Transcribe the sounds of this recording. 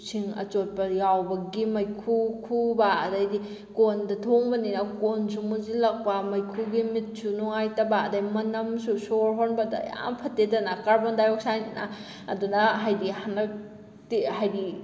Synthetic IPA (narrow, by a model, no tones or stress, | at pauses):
siŋɐ̰t͡ʃot̚pɐjawbɐɡimɐjkʰukʰubɐːdajdi | kondɐtʰoŋbɐninɐkonsumuzilɐk̚pɐmɐjkʰuɡimit̚sunoŋajtɐbɐːdajmɐnɐmsusoɾɦonbɐdɐ̰ja̰mpʰɐtːedɐnɐkaɾbondajok̚sajninɐ̰ | ɐ̰dunɐɦajdihanɐk̚ | tihajdi